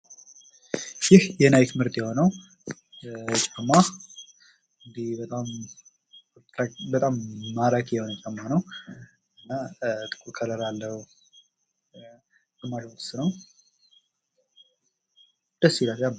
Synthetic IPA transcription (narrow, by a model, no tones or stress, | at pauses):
jɪhjɛnajkmɨɾt̪ʼjɛho̞nəw | t͡ʃʼamːa | ɨnd̪ihbət̪ʼam | abət̪ʼamːaɾakʼjɛho̞nt͡ʃʼamːanəw | ɨnːat̪ʼɨ̥kʼuɾkʰəɾəɾalːəhu | əmːaʃt̪ʰɨ̥sɨnəw | d̪̥əsːilat̪t͡ʃʼamːa